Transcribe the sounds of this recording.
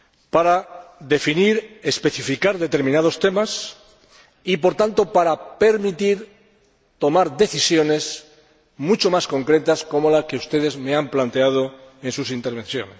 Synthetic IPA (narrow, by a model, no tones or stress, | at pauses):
paɾaðe̞finiɾespe̞θifikaɾðe̞t̪e̞ɾmĩnað̞o̞st̪e̞mas | ipo̞ɾt̪ant̪o̞paɾape̞ɾmit̪iɾ | t̪o̞maɾðe̞θisjo̞ne̞s | mut͡ʃo̞masko̞ŋkɾe̞t̪asko̞mo̞lake̞ust̪e̞ð̞e̞zme̞amplant̪e̞að̞o̞e̞nsusint̪eɾβ̞ẽ̞n̟θjo̞̰nes